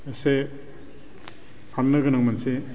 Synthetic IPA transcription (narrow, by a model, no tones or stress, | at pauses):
ese | samnɐɡɯnaŋmanse